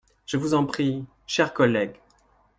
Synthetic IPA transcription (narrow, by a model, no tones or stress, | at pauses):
ʒ̥əvuzɑ̃pχi | ʃɛʁkɔlɛɡ